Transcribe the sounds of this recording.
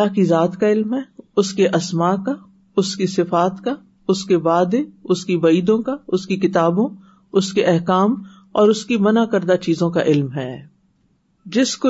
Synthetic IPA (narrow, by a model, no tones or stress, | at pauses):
laːɦkizaːt̪kaɪlmɦɛːʊskeʔɐsmaːka | ʊskisɪfaːt̪ka | ʊskebaːd̪eʊskibɐiːd̪õkaʊskikɪt̪aːbõ | ʊskeʔɛɦkaːm | ɔːɾʊskimɐnakɐɾd̪at͡ʃiːzõkaʔɪlmɦɛː | d͡ʒɪsko